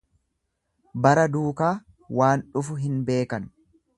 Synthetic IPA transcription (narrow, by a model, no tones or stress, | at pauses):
bɐɾɐd̪uːkaː | waːnᶑʊfʊɦɪnbe̞ːkɐnʊ̥